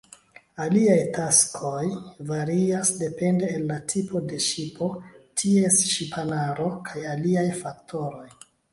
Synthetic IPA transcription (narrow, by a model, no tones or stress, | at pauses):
aliajtaskʰo̞jvaɾiasde̞pe̞nde̞ːlːatʰipʰo̞de̞ʃipo̞tʰie̞sʃipʰanaɾo̞kʰajaliajfak̚tʰo̞ɾo̞j